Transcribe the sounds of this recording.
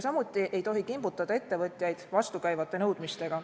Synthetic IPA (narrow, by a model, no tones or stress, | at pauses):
sɑmut̪ˑːiʔe̞jt̪o̞ɦikimbut̪ˑːɑd̪̥ɑe̞t̪ːe̞vɤt̪ʲˑjɑjd̪̥vɑst̪ukæjvɑt̪ˑːe̞nɤwd̪mist̪e̞ɡ̥ɑ